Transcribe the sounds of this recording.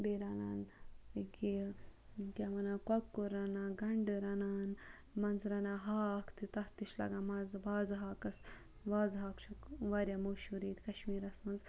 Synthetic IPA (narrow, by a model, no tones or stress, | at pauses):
beɾaːnaːnɡi | kemɐnakɐkːuɾɐnaːɡɐɳɖɨɾɐnaːn | mɐnzɾɐnaːɦaːkʰt̪it̪ɐht̪iʃlɐ̰ɡamɐzbaːzɦaːkɐs | ʋaːzɦaːkt͡ʃʰɐkʋaɾjamoːʃuɾiːt̪kɐʃmiːɾɐsmɐnz